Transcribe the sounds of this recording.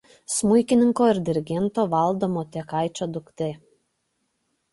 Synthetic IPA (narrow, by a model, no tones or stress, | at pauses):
smʊjkʲɪnʲɪŋkoːɪɾd̪ʲɪɾʲɪɡʲɛnˑt̪oːʋɐˑlˠd̪omoːt̪ʲɛkɑˑɪt͡ʃʲoːd̪ʊkt̪ʲe